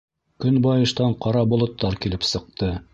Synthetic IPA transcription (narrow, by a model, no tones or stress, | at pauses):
kɵnbɑjɤ̆ʃt̪ɑɴqɑɾɑbŏlˠŏt̪ːɑɾkilɘpsɤ̆q̚t̪ɤ